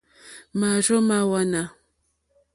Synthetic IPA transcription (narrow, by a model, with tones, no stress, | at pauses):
ma˨ɾo˦ma˨wa˦na˨